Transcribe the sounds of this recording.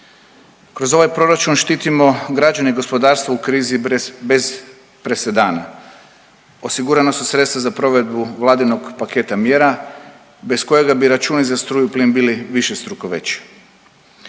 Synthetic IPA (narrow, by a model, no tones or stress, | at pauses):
kɾo̞zo̞ʋajpɾo̞ɾat͡ʃunʃt̪iːt̪imo̞ɡɾad͡ʒaniɡo̞spo̞d̪aːɾst̪ʋoukɾiːzibe̞z | pɾe̞se̞d̪aːna | o̞siɡuɾanasusɾe̞t̪st̪ʋazapɾo̞ʋe̞d̪buʋlˠaːd̪ino̞ɡpake̞t̪amje̞ɾa | be̞sko̞je̞ɡabiɾat͡ʃuːnizast̪ɾuːjupliːnbiliʋiʃe̞st̪ɾukoʋet͡ɕi̥